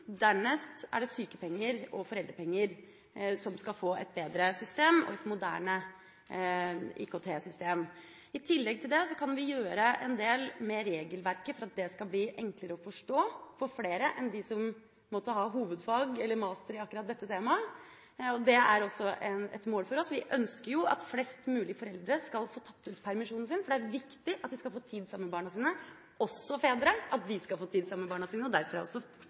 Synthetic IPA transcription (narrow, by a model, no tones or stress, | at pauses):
d̪æɳɛst̪æ̰ɖɛsyːkəpɛŋːəɾɔfɔɾɛld̪ɾəpʰɛŋːəɾ | sɔmskɑlfoːɛ̰t̪̚beːd̪ɾəsʏst̪eːmɔ̰ɛt̪mʊd̪æ̰ːɳə | ḭːkʰot̪ʰeːsʏst̪eːm | ɪt̪ʰɪlːɛɡ̚t̪ʰɪld̪ɛsɔkʰɑnʋɪjøːɾəʔɛnd̪eːlmɛɾeːɡəlʋæɾkəfɔɾɑt̪̚d̪ɛskɑbliːʔɛŋkləɾəɔfɔʂʈoːfɔɾfleːɾəʔɛnd̪ɪsɔm | mɔt̪ːəɦɑɦuːʋəd̪fɑːɡɛlːəɾmɑːst̪əɾɪɑkːʉɾɑt̪̚d̪ɛt̪ːət̪ʰeːmɑ | ɔd̪ɛæɾɔsːɔʔɛnɛ̰t̪moːlfɔɾɔsʋɪʔœnskəɾjʊɑ̰t̪flɛst̪mʉːlɪəfɔɾɛld̪ɾəskɑlfoːt̪ʰɑt̪ːʉːt̪pʰæɾmɪʂuːnn̩sɪnfɔɖɛæɾʋɪkt̪ɪʔɑt̪̚d̪ɪskɑlfoːt̪ʰiːd̪sɑmːməbɑːɳɑsiːnə | ɔsːɔfeːd̪ɾəʔɑt̪̚d̪ɪskɑlfoːt̪ʰiːd̪sɑmːəbɑːɳɑsiːnəɔd̪æɾfɔɾæ̰ɾɔ̰sɔ